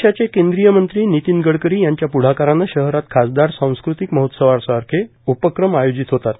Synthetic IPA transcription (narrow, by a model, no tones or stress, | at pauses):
ɕat͡ɕekẽnd̪ɾijəmənt̪ɾiːnit̪inɡəɽkəɾiːjaɲt͡ɕjapuɽ̤akaɾanːaɕəɦɾat̪kʰasd̪aɾsãw̃skɾut̪ikməɦot̪səʋaɾsɾkʰe | upəkɾəmajod͡ʑit̪ɦot̪at̪